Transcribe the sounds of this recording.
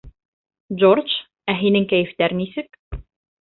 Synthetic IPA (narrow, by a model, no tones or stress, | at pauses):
d͡ʒort͡ʃ | æɦinɘŋkæjɘ̆ft̪æɾnisɘk